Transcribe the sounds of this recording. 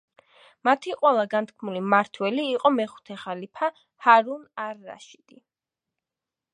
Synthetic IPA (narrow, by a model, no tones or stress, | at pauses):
mat̪ʰiqʼwɛlˠaɡant̪ʰkʰmulimaɾt̪ʰwɛliːqʼɔmɛχu̥t̪ʰɛχalipʰa | haɾunaɾːa̰ʃid̪̥i